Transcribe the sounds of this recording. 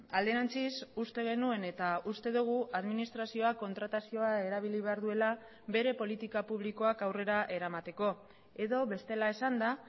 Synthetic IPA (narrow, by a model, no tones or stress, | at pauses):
ald̪e̞ɾant͡sisust̪e̞ɣ̞e̞nue̞ne̞t̪aust̪e̞ðuɣ̞uaðminist̪ɾasio̞ako̞nt̪ɾat̪asio̞ae̞ɾaβ̞iliβe̞aɾðue̞la | βe̞ɾe̞po̞lit̪ikapuβliko̞akawre̞ɾaʔe̞ɾamat̪e̞ko̞ | e̞ðo̞βe̞st̪e̞lae̞sand̪a